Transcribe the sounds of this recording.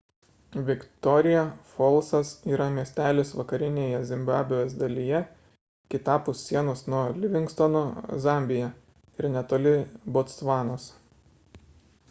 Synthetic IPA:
ʋʲɪkt̪ɔɾʲɪjɛfɔlˠˑsɐsiːɾɐmʲiɛsʲt̪ʲæːlʲesʋɐkɐɾʲɪnʲeːjɛzʲɪmʲbɑːbʲɪjoːsd̪ɐlʲijɛ | kʲɪt̪ɑːpʊsːʲiɛnoːsnuɔlʲɪʋʲɪŋkst̪ɔnozɑˑmʲbʲɪjɛ | ɪɾnʲɛt̪oːlʲɪbot̪sʋɑːnoːs

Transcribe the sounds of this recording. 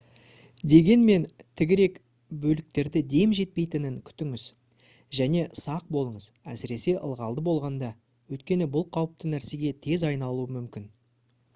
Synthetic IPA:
d̪e̞ɡʲe̞nme̞nt̪ʰɪɡʲɪɾe̞k | bɵlɪk̚t̪e̞ɾd̪ɪd̪e̞mʒe̞t̪̚pe̞jt̪ɪnɪŋkʲʰʏ̥t̪ɪŋɪz | ʒæne̞sɑq̚bo̞lˠəɴəzæsɪɾe̞se̞ʔə̰lˠʁɑlˠd̪əbo̞lˠʁɑnd̪ɑ | wɵt̪kʲe̞nɪbʊlˠqʰɑwəp̚t̪ənæɾse̞ɡʲe̞t̪ʰe̞zɑjnɑlˠuəmʏmkʲɪn

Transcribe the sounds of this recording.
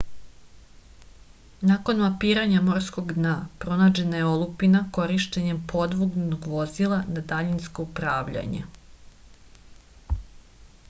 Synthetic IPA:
nako̞nmapiːɾaɲamo̞ɾsko̞ɡd̪napɾo̞naːd͡ʑe̞najeo̞lˠupinako̞ɾiʃt̪eɲe̞mpʰo̞d̪ʋuɡnnoɡʋo̞zilˠanad̪aʎinsko̞upɾaːʋʎa̰ɲḛ

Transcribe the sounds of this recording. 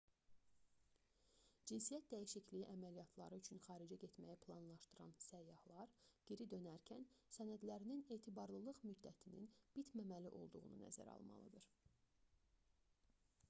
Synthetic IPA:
d͡ʒinsijæt̪̚d̪æjiʃiclijiʔæmælijɑt̪ʰlˠɑ̰ɾɯyt͡ʃʰynχɑːɾid͡ʒæɟet̪mæjæpʰlˠɑnlˠɑʃt̪ɯɾɑ̰nsæjːɑhlˠɑɾɟ̥iɾid̪ø̞næɾcʰænsænæd̪læɾinine̞ːt̪ʰibɑɾlˠɯlˠɯʁmyd̪ːæt̪ʰinḭnb̥it̪ʰmæmæliʔo̞lˠd̪uʁṵnṵnæ̰zæ̰ɾɑ̰lˠmɑ̰lˠɯ̰d̪ɯɾ̥

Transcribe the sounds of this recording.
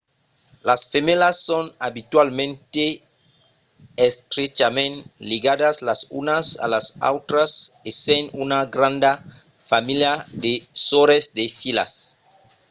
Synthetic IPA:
lasfemelasːonabit̪walmẽnt̪e | est̪ɾet͡ʃamẽnliɡadaslasunasa̰lasa̰wt̪ɾasesenunaɡɾãnd̪a | familjad̪esoɾesd̪efila̰s

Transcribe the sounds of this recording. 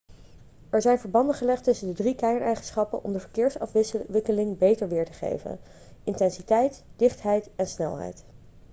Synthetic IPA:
ɛɹzɛjnvəɹbɑndəχəlɛχtɵsəndədrikɛjənɛjχənsχɑpə̰nʔɔ̰mdəvəɹkɪːɹsɑfʋɪʋɪkəlɪŋbejtəɹʋɪːɹtəχḛjvə̰n | ʔɪntɛnsitɛjtd̥ɪχtɦɛjtɛnsnɛ̰lˠɦɛ̰jt

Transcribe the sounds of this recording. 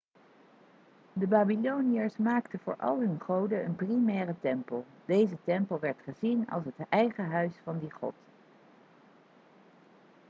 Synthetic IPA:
dəbaːbilownijəɹsmaːktəvʊːɹʔɑ̰lˠɦɵnχowdəənprimɛːrətɛmpəlˠ | d̥ejzətɛmpəlˠʋɛɹtχəzinɑ̰lˠsɦətɛjχəɦœɥsfɑndiχɔ̰t

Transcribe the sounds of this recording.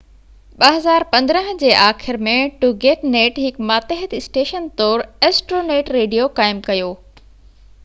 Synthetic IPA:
ɓɐɦɐzaːɾpɐ̃nd̪ɾə̃ɦə̃d͡ʑeːʔaːxɪɾmẽʈuɡeːʈneːʈɦɪkmaːt̪eɦət̪ɪsʈeːʃənt̪ɔːɾeːsʈɾoːneːʈɾeːɖijokaːɪmkɐjoː

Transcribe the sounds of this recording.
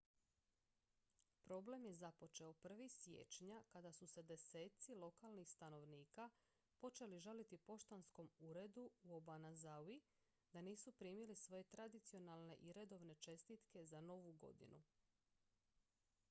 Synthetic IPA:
pɾo̞ble̞mje̞zapo̞t͡ʃe̞opr̩ʋisʋje̞̰ːt͡ʃɲakad̪asuse̞d̪e̞se̞ːt̪silo̞kalnixst̪ano̞ʋniːka | po̞t͡ʃe̞liʒalit̪ipo̞ʃt̪ansko̞muɾe̞d̪uuobanazawi | d̪aniːsupɾiːmilisʋo̞je̞t̪ɾad̪it̪sio̞nalˠne̞ʔiɾe̞d̪o̞ʋne̞t͡ʃe̞st̪it̪ke̞zano̞ʋuɡo̞̰d̪ḭnṵ

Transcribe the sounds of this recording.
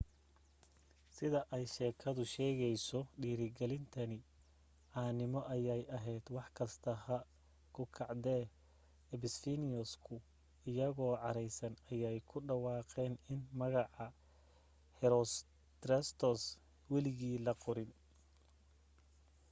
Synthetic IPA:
sɪðɐʔɛjʃɛːkʰɐðʊʃɛːɣɛjsɔɖiːɾɪɡɛlɪnt̪ʰɐnɪ | ʕɑːnɪmɔʔɐjɛjɐɦɛjd̪wɑħkʰɐst̪ʰɐhɐ | kʰʊkʰɑʕd̪ɛː | ɛbɪsfinɪɔskʰʊ | ɪjɐɣɔːʕɑɾɛjsɐnɐjɛjkʰʊɖɑwɑːqɛːnɪnmɐɣɑʕɑ | hɛɾɔs | t̪rɛst̪ʰɔs | wɛlɪɣiːlɐqʊɾɪn

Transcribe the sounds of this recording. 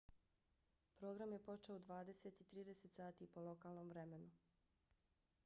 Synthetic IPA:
pɾo̞ːɡɾamje̞po̞t͡ʃe̞oud̪ʋaːd̪e̞set̪it̪ɾiːd̪e̞se̞t̪saːt̪ipolˠo̞kaːlˠnomʋɾe̞me̞nu

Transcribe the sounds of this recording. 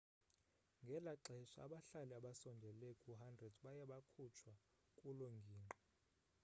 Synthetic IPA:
ŋɡʱɛlaǁɛʃaa̰ɓaɬaliaɓasɔndʱɛlekʼuɦandʱrɛdɓajɛɓakʰut͡ʃʰwa | kʼuloŋɡʱiːŋʱɔ

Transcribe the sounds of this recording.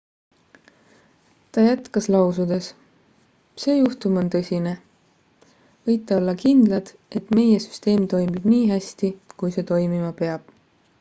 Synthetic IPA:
t̪ɑjæt̪kɑslɑwsud̪e̞s | se̞ːjuht̪umo̞nt̪ɤsʲine̞ | vɤjt̪ːˑeo̞lːɑkind̪̥lɑd̪̥ | e̞t̪me̞je̞sy̥st̪e̞ːmt̪o̞jmib̥niːɦæsʲt̪ikujse̞ːt̪o̞jmimɑpe̞ɑb̥̚

